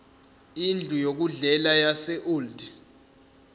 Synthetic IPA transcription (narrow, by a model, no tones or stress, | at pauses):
ind͡ɮʱujok̬uɮɛlajasɛʔuːldi